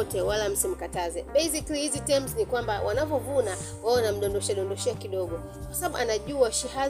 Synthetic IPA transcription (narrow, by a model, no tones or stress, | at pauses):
tɛwalam̩sim̩katazɛɓɛjsiklihizitɛmznikwambawʔanavɔvuna | waɔnam̩ɗɔndɔʃaɗɔndɔʃiakiɗɔɡɔ | kkwḁsaaɓuʔanaʄuaʃiha